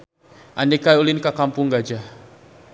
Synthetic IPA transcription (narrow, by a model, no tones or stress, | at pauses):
ʔanikajulɪnkakampuŋɡad͡ʒah